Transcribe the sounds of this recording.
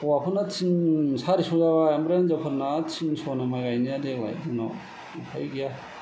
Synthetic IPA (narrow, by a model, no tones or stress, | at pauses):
ɔwapʰɯnat͡ʃʰinsaɾisɔzabaamɾaanzapʰɯɾnat͡ʃʰinsɔnamajɡajnijadela̰jpʰɯna̰ | pʰajɡija